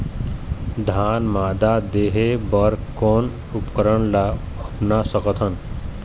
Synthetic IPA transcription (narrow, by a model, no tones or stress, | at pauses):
d̪ʱaːnmaːd̪ad̪eːɦebəɾkoːn | ʊpkəɾəɽla | əpnasəkət̪ʰən